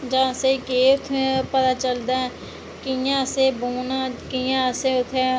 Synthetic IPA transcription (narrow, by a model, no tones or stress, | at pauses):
d͡ʒãːsekeːʊt̪ʰepət̪aːt͡ʃəld̪aɛ̃ | kɪjãːseːboːnaːkɪjãseʊt̪ʰːe